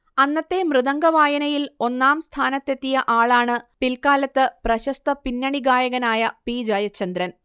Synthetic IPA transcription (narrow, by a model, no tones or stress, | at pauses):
ɐnːɐt̪ːe̞mrɨðɐŋɡɐʋaːjɐnɐjilo̞nːaːmst̪ʰaːnɐt̪ːe̞t̪ːijɐʔaːɭaːɳɨpilkaːlɐt̪ːɨprɐɕɐst̪ɐpinːɐɳiɡaːjɐɣɐnaːjɐpiːd͡ʑɐjɐt͡ɕːɐnd̪ɾɐn